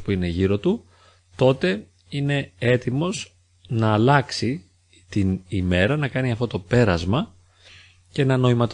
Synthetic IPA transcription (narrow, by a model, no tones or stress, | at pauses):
puineʝiɾo̞t̪u | t̪o̞t̪e̞ | ine̞et̪imo̞z | nɐːlɐksi | t̪inime̞ɾɐnɐkɐniɐft̪o̞t̪o̞pe̞ɾɐzmɐ | ce̞nɐno̞imɐt̪